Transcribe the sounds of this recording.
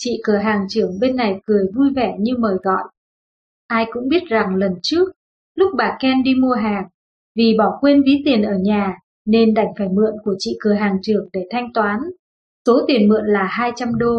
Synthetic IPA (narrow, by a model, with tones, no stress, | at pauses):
t͡ɕḭ˧˨kɨ˧˩əɦaː˨˩ŋt͡ɕɨ˧˩əŋɓe˧nːa˨˩jkɨ˨˩əjvu˧jvɛ˧˩ɲɨ˧məː˨˩jɣɔ̰˧˨jʔ | ʔaː˧jkʊ̰˧˥ŋ͡mɓi˦˥ət̚za˨˩ŋlə˨˩nt͡ɕɨ˦˥ək̚ | lʊ˦˥k͡p̚ɓaː˨˩kɛ˧mɗi˧mu˧əɦaː˨˩ŋ̚ | vi˨˩ɓɔ˧˩kwe˧nvi˨˦t̪i˨˩ənʔəː˧˩ɲaː˨˩ | ne˧nɗa˧˩jŋ̟faː˧˩jmɨ̰˧˨ənku˧˩ət͡ɕḭ˧˨kɨ˨˩əɦaː˨˩ŋt͡ɕɨ˧˩əŋɗe˧˩t̪ʰa˧jŋ̟t̪waː˨˦n | so˨˦t̪i˨˩ənmɨ̰˧˨ənlaː˨˩haː˧jt͡ɕa˧mɗo˧